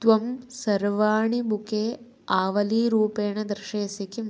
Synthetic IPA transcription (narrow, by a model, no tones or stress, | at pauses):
t̪ʋɐmsɐɾʋaːɳibukeː | aːʋɐliːɾuːpeːɳɐd̪ɾɪʃeːsikim